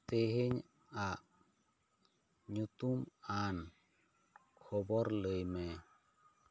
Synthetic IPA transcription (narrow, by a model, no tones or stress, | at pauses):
t̪eɦeɲ | a | ɲut̪uman | kkʰɔbɔɾləjmɛ